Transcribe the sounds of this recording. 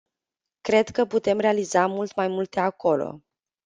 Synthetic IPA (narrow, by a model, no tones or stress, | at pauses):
kɾe̞d̪kəput̪e̞mre̞alizamult̪majmult̪e̞ako̞lo̞̰